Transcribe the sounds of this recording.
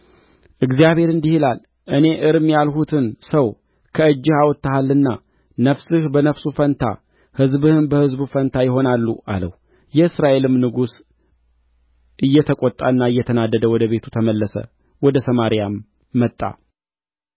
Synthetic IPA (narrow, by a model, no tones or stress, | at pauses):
ʔɨɡzijaβhe̞ɾɨnd̪ihilal | ʔɨne̞ʔɨɾɨmjalhut̪ʰɨnsəw | kʰəɨd͡ʒːɪhawɔt̪ːahalɨnːa | nəfsɨhbənəfsufənt̪ʰa̰ | hɨzbɨhɨnbəhɨzbufənt̪ʰajɪɦo̞nalːuʔa̰lə̰h | jɛɨsɾaʔe̞lɨmnɨɡus | ʔɨjːɛt̪ʰəkʼot̪ʼːa̰ɨnːaɨjːɛt̪ʰənad̪ːəd̪əwɔd̪əβe̞t̪ʰu̥t̪ʰəməlːəsə̰ | wɔd̪əsəmaɾijamː | ət̪ʼːa̰